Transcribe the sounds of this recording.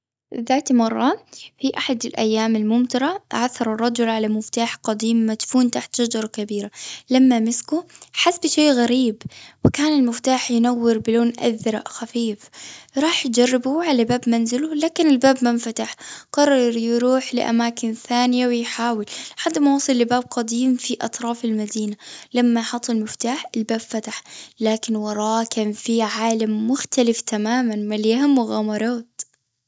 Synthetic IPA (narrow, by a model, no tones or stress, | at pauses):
ðaːt̪mɑrˤːɑfiʔaħad̪ɪlʔa̰jːaːmalmʊmt̪ɑɾˤɑʔʕaθːɑɾˤɑrˤːɑd͡ʒʊlʕalamʊft̪aːħqɑd̪iːmːat̪fuːnt̪aħt̪ʃad͡ʒɑɾˤɑkabiːɾalamːamɪskʊħasbʃeːɣaɾiːbwɪkaːnɪlmɪft̪aːħjɪnawːɪɾbɪloːnʔa̰ðɾˤɑ̰ʔxafiːfɾˤɑːħjd͡ʒarˤːɪbuʕalabaːbmanzɪlʊlaːkɪnɪlbaːbmamfat̪aħqɑrˤːɑɾˤjɾuːħlɪ̰ʔa̰maːkɪnθaːnɪjawɪjħaːwɪlħad̪ːmawɑsˤɨlːɪbaːb̚qɑd̪iːmfiʔɑ̰t̪ˤɾˤɑːfɪlmad̪iːnalamːajħɑt̪ˤːɪlmɪft̪aːħɪlbaːbfat̪aħlaːkɪnwɑɾˤɑːkanfiʕaːlamːʊxt̪alɪft̪amaːmanmaljahamːʊɣamɑɾˤɑːt̪